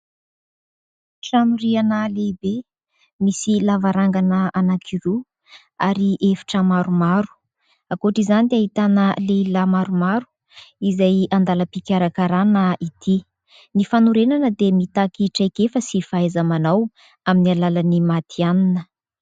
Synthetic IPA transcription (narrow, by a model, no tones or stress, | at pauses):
ʈ͡ʂanuɾianəlebe | misilavaɾaŋɡanəanakʰiɾu | aɾiʔefi̥ʈ͡ʂəmaɾumaɾu̥ | akoʈ͡ʂizanid̪aɦit̪anəleilamaɾumaɾu̥ | izajand̪aləpikʲaɾakaɾanəʔit̪ʰi | nifanuɾenanəd̪emit̪akiʈ͡ʂajkefəsifaezamanaw | aminialalanimat̪ʰianinə